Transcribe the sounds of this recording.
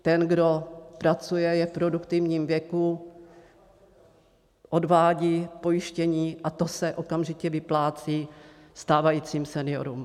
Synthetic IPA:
t̪ɛnɡdo̞pɾat͡sujɛjɛfpɾo̞dukt̪ɪvɲiːmvjɛku | ʔo̞dvaːɟiːpo̞jɪʃcɛɲiːʔat̪o̞sɛʔo̞kamʒɪcɛvɪplaːt͡siː | st̪aːvajiːt͡siːmsɛnɪjo̞̰ɾum

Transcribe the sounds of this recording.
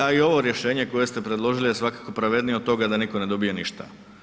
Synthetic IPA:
aio̞ʋo̞ɾje̞ʃe̞ːɲe̞ko̞je̞st̪e̞pɾe̞d̪lˠo̞ʒilijesʋakḁko̞pɾaʋe̞d̪nijod̪t̪o̞ɡad̪aniko̞ne̞d̪o̞bijeniʃt̪a̰

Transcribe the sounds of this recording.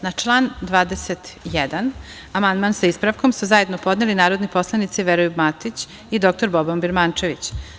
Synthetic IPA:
nat͡ʃlˠaːnd̪ʋaːd̪eset̪jɛd̪an | amand̪mansaispɾaʋko̞msuzaje̞d̪no̞po̞d̪nelinaːɾo̞d̪nipo̞slˠanit̪siʋeɾojubmat̪it͡ɕ | id̪o̞k̚t̪o̞ɾbobombiɾmant͡ʃe̞ʋit͡ɕ

